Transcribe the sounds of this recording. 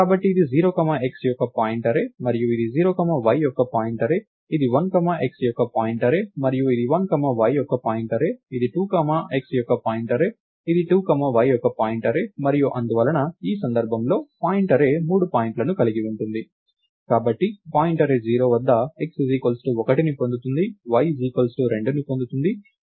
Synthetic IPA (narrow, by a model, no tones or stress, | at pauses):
kaːbɐʈːiːd̪id͡ʒiːɾo̞ːkɐmae̞ksjɔkːɐpaːjiɳʈɐɾe̞ːmɐɾijuid̪id͡ʒiːɾoːkɐmɐʋɐjjɔkːɐpaːjiɳʈɐɾe̞ː | id̪iʋɐnkɐmaʔe̞ksjɔkːɐpaːjiɳʈɐɾe̞ːmɐɾijuid̪iʋɐnkɐmɐʋɐjjɔkːɐpaːjiɳʈɐɾe̞ːid̪iʈuːkɐmaeksjɔkːɐpaːjiɳʈɐɾe̞ː | id̪iʈuːkɐmɐʋɐjjɔkːɐpaːjiɳʈɐɾe̞mɐɾijuʔɐnd̪uʋɐlɐnɐiːsɐnd̪ɐɾbʱɐmlo̞ːpaːjiɳʈɐɾe̞ːmuːɽupaːjiɳʈlɐnukɐliɡiʋuɳʈund̪i | kaːbɐʈːipaːjiɳʈɐɾeːd͡ʒiːɾo̞ːʋɐd̪ːɐe̞ksziːkolsʈuɔkɐʈinipo̞nd̪ut̪und̪iʋɐjd͡ʒiːkolsʈuɾe̞ɳɖunipo̞nd̪ut̪und̪i